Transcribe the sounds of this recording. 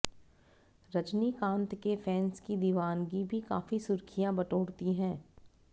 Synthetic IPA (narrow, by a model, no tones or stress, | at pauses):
ɾɐd͡ʒnikãːnt̪kefʰɛːnskid̪iʋaːnɡibʱikaːfisʊɾkʰijãbɐʈoːɽt̪iɦɛ̃ː